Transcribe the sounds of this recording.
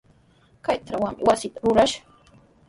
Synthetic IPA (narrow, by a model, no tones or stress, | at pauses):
kajt̪ɾawaŋmɪ̰wasɪt̪aɾʊɾaʃḁ